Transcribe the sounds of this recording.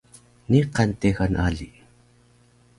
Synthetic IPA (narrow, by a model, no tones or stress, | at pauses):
niqanteɣanʔaɮi